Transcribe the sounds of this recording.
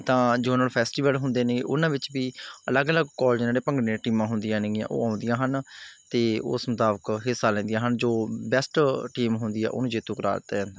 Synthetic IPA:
t̪ãːd͡ʒoːnaːlpʰɛːsʈiːʋəlɦʊ̃nd̪eːnẽːʔʊnãːʋɪt͡ʃbiːələɡələɡkɔːld͡ʒnaːɽeːpəŋɡɽẽːʈiːmãːɦʊnd̪ijãːneːã̰ːʔo̰ːãːʊ̃nd̪ijãːɦənt̪eːʊ̰smʊt̪aːbəkɦɪsːaːlɛ̃ːnd̪ijãːɦənd͡ʒoːbɛsʈʈiːmɦʊ̃nd̪iːɛ̰ːʔʊ̰nũːd͡ʒeːt̪ũːkəɾa̰ːɾt̪ad͡ʒɛ̃ːnd̪aː

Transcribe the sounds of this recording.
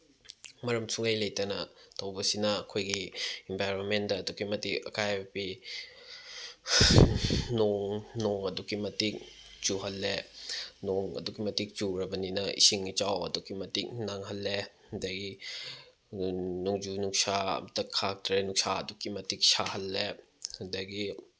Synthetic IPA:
mɐɾɐmsuŋejlɐjtɐnɐtʰɐwbɐsinɐːkʰojɡiembajɾonmendɐːdukimɐtikɐkajbɐbi | noŋnoŋɐdukimɐtik̚ | t͡ʃuɦɐlːenoŋɐ̰dukimɐtik̚t͡ʃuɾɐbɐninɐḭsiŋit͡ʃawɐ̰dukimɐtik̚naŋɦɐlːe | ɐdɐɡi | nuŋd͡ʒunuksa̰tɐkʰak̚tɾenuk̚saɐ̰dukimɐtik̚sahɐlːe | hɐdɐɡi

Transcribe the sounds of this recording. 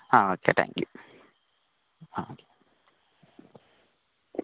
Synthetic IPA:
aokḛt̪ʰæ̰̃ŋkju | aoke̥

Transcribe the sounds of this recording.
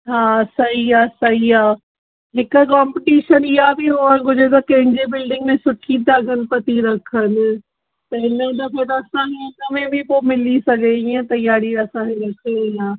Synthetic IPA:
ɦaːsɐɦiaːsɐɦiaː | ɦɪkʊ̆kaːmpɪʈiːʃənɪɦabʱɪɦuanɡʊd͡ʑʱet̪̬ɐkɐ̃ɦɪ̃ɲd͡ʑebɪlɖɪ̃ŋɡmẽsʊʈʰid̪aːɡʱənɪ̆pɐt̪iɾɐkʰənɪ̆ | t̪ɐɪnəd̪ɐfet̪ɐɐsãiə̃nɐmẽbʱɪpoːmɪlisɐɡʱeiːə̃t̪ɐjaːɾiɐsãkeɾɐkʰeɐjãː

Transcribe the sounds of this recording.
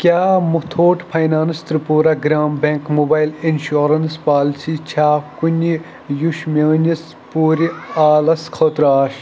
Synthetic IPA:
kʲjaːmut̪ʰoːʈpʰɐjnaːnɨst̪ɾɨpuːɾɐɡɾaːmbeŋkmoːbaːjlinʃoːɾɐnspaːlt͡ʃʰit͡ʃʰaːkunʲi | juʃmʲɐːnʲis | puːɾʲiaːlɐskʰoːt̪ɾaːʃ

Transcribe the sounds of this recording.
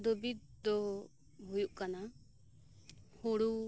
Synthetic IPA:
d̪ɔbit̪̚d̪ɔ | bujuʔkana | huɽu

